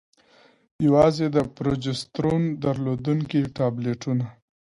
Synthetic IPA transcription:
jawɑzed̪əpɾod͡ʒɪst̪ɾund̪aɾlod̪uŋkiʈɑbleʈuna

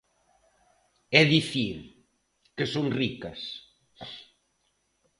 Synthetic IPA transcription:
ɛðiθiɾ | kesoŋrikɐs

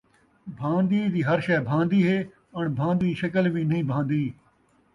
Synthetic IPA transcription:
bʱãːnd̪iːd̪iːɦɐɾʃɛːbʱãːnd̪iːɦeː | ɐɳbʱãːnd̪iːʃɐkəlʋiːnɐɦĩːbʱãːnd̪iː

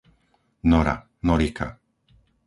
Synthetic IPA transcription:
nɔɾa̰ | nɔɾikʰa̰

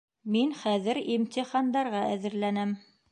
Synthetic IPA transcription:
minχæðɘɾimt̪ʲiχɑnd̪ɑɾʁɑʔæðɘ̆ɾlænæm

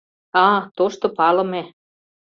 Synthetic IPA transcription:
ɑt̪oʃt̪opɑlɤ̆me

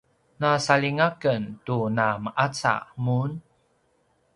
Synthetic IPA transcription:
nasaɭiŋakəntunaməʔat͡sa̰mun

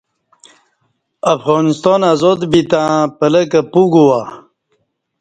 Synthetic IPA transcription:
afɣonist̪ɑnazod̪bit̪ãpələkapuɡuwa

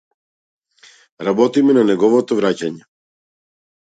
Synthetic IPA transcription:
ɾabɔt̪imɛnanɛɡɔvɔt̪ɔvɾacaɲɛ

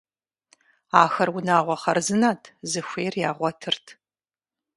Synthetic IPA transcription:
aːxɐrwʊnaːʁʷɔχɐrzɨnaːtʰzɨxʷeːrjaːʁʷɔtʰɨrtʰ

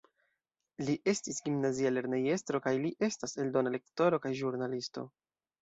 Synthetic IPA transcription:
liʔe̞stisɡimnaziale̞ɾneje̞stɾo̞kajliʔe̞stase̞ldo̞nale̞kto̞ɾo̞kajʒuɾnalisto̞̰

